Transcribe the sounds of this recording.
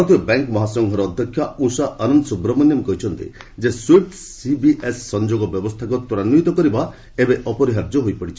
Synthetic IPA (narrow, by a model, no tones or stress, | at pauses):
t̪ʰibɔbaŋkmɔɦasɔŋɡʱɔɾɔːd̪ʱjɔkʰjausaɔnɔnɔsubɾɔmɔnjɔmkɔɦit͡ʃʰɔnt̪ḭ | d͡ʒeswiʈ | sibiʔesːɔnd͡ʒoɡɔbjɔbɔst̪ʰakut̪uɾanuit̪ɔkɔɾiba | ebeʔɔpɔɾiɦaɾd͡ʒɔɦojpɔɽit͡ʃʰi̥